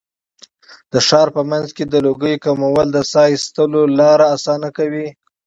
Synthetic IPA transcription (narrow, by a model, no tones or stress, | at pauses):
d̪̥əʃɑɾpəmanzked̪əloɡəjkamawəld̪əsɑjst̪əlolɑɾaːsɑnakawi